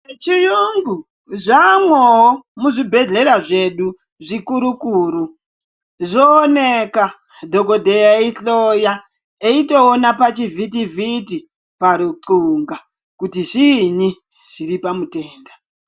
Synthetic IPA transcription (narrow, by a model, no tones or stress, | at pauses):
t͡ʃijuŋɡu | ʐamwoɦomuʐibʱe̞ɮe̞ɾaʐe̞ɗu | ʐikuɾukuːɾu | ʐoːneka | dʱoko̞dʱejaiɬoja | eito̞ːnapat͡ʃivʱit̬ivʱiti | paɾuǀuŋɡa | kutiʐini | ʐ̥iɾipamuteːnda